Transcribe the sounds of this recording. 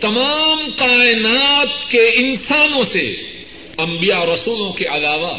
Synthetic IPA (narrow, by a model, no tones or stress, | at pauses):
t̪ɐmaːmqaːɪnaːt̪keɪnsaːnõsḛ | ɐ̃mbijaɾɐsuːlõkeʔɐlaːʋa